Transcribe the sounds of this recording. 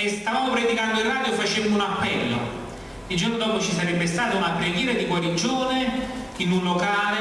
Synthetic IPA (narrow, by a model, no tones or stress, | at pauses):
est̪avaːmopɾed̪ikand̪oiraːd̪joefːat͡ʃɛmːounapːɛlːo̰ | ild͡ʒornod̪ɔːpot͡ʃisaɾɛbːest̪aːt̪aunapɾeɡjɛːɾad̪iɡwaɾid͡ʒoːnek̟inːunlːokaːle